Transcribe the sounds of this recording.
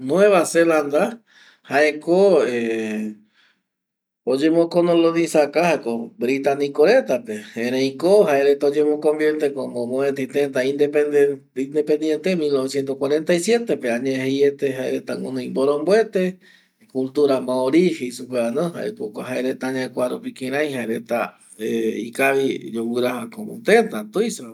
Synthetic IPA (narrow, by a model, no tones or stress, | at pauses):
nw̃eβaseland̪a | haekoe | od͡ʒemõkonõlonĩsakahaekobɾit̪anĩkoɾet̪apeẽɾẽjĩkohaeɾet̪aod͡ʒẽmõkõmbjeɾt̪ekomõmõẽt̪et̪ẽnt̪aĩnd̪epe | ind̪epẽnd̪jent̪emilnoβesjent̪oskwaɾent̪ajsje̞t̪epeaɲẽɦejet̪eɦaeɾet̪aŋonõj̃mboɾõmbwet̪e | kult̪uɾamãoɾixeisupeanõɦa̰ḛpokoɦaeɾet̪aɲãkʷaɾupikẽɾ̃ãj̃ɦaeɾet̪a | eḭkaβid͡ʒowɨɾahakomo̰t̪ent̪at̪ujsa